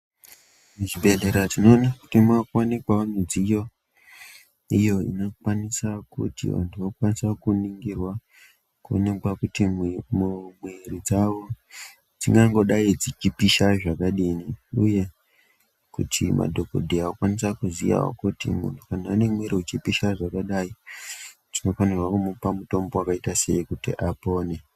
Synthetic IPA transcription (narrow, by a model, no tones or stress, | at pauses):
ʐibʱe̞ɮeɾatino̞ːnakutimakwanikwaanid͡zijo̞ | ijo̞ḭnokwanisakṵtḭʋa̰ntʰuʋakwanisakuniŋɡirwa | kuo̰nekwakutimumwe̞rid͡zaʋo̞ | d͡ziŋɡaŋɡo̞ɗaid͡zit͡ʃipiʃaʐakaɗiniuje̞ | kṵtʰimʔa̰dʱo̞ko̰dʱiawokwanisakuzija̰o̰kutḭmṵntʰukanaːne̞mwe̞ɾiut͡ʃipiʃaʐakaɗai | d͡zino̞fwanirwakumupamuto̞mbo̞wakaitase̞̰ikutḭʔapo̞ːne̞